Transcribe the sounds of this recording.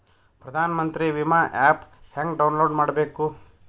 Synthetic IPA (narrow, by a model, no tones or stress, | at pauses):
pɾɐd̪ʱaːnɐmɐnt̪ɾiʋimaːʔaːpheŋɡɖɐwnloːɖmaːɽɐbeːku